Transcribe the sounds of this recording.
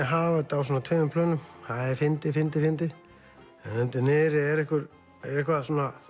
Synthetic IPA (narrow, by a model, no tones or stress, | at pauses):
ɦavat̪awsuːnat̪ʰœːnʏmpʰlœːnːʏmθaðɛɾfɪnt̪ɪfɪnt̪ɪfɪnt̪ɪ | ɛ̰nʏnt̪ɪnɪːɾɪɛɾɛhkʏɾ | ɛɾɛhkvaðsuːna